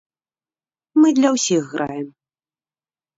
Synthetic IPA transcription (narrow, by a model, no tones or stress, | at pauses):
mɨd̪lʲɐwsʲixːɾʔa̰jɛm